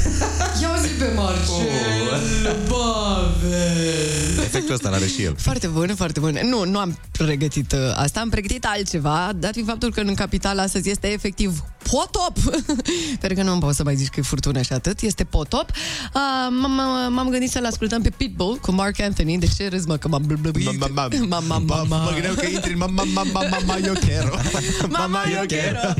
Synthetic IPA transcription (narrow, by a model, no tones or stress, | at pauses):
jeauzik̚pemart͡ʃ | bave | efekt̪uəst̪ala̰ɾeʃijḛlfoart̪e̞bunfoart̪ebunnunuam | ɾe̞ɡət̪it̪a̰st̪aːmpɾe̞ɡət̪it̪alt̪̚t͡ʃe̞vad̪at̪fifap̚t̪ulkəɨnkapit̪alast̪əzʲje̞st̪e̞ːfe̞k̚t̪ivpʰot̪op | peɾukənumpot̪səmajzit͡ʃkəjefurt̪unəʃiat̪ɨt̪je̞st̪e̞pot̪opəmammamɡɨnd̪it̪səlaskult̪əmpe̞pit̪̚bolkumarkɛnθɐnid̪et͡ʃeɾɨzməkəmabblamamaaməɡɨnd̪ekəint̪ɾinmamːamːamaamajokʲeɾomamajoeɾ